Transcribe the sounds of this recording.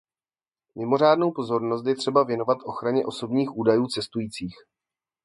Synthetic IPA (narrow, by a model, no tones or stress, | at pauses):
mɪmo̞r̝aːdnowpo̞zo̞ɾno̞st̪jɛt̪r̝̥ɛbavjɛno̞vat̪ʔo̞xɾaɲɛʔo̞so̞bɲiːxʔuːdajuːt͡sɛst̪ujiːt͡siːx